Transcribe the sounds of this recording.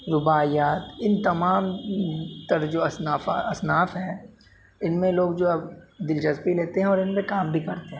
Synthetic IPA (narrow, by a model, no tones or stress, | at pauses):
ɾʊbaːjaːt̪ɪnt̪ɐmaːm | t̪ɐɾd͡ʒoːɐsnaːfaɐsnaːfɦɛ̃ː | ɪnmẽloːɡd͡ʒoːɐbd̪ɪlt͡ʃɐzpileːt̪eɦɛ̃ɔːɾɪnmẽkaːmbʱikɐɾt̪eɦɛ̃ː